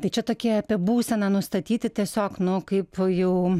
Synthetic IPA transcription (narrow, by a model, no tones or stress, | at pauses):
t̪ɐɪt͡ʃʲɛt̪oːkʲiɛɐpʲiɛbuːsʲɛnɑːnʊst̪ɐt̪ʲiːt̪ʲɪt̪ʲiɛsʲoːknʊkɐɪpjɛʊ